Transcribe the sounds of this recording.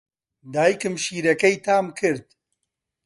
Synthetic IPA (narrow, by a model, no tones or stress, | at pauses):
d̪aːjikɨmʃiːɾɐkɐjt̪ʰaːmkʰɨɾd̪̚